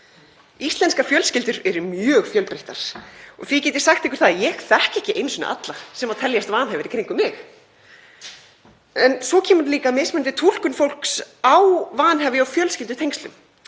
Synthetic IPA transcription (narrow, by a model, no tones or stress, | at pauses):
ist̪lɛnskafjœlscɪlt̪ʏɾɛɾʏmjœːɣfjœlpɾeht̪aɾ̥ɔ̰ɣθvicɛːt̪ɪɾ̥saxt̪ehkʏ̥ɾ̥θaðjɛɣθɛhcɛhcɪʔejnsʏna̰a̰t̪lasɛmaðt̪ʰɛljast̪vaːnɦɛvɪɾikʰɾiŋkʏmːɪx | ɛnsɔcʰɛːmʏɾliːkamesmɛnt̪ɪt̪ʰul̥kʏnfowl̥ksawvaːnɦɛvɪawfjœːlscɪlt̪̬ʏt̪ʰejŋkst̪lʏm